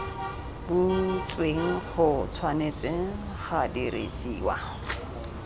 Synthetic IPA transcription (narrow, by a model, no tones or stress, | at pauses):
but͡sʼweŋ̩χʊt͡sʰwanet͡sɪ | χadiɾḛsiːwa̰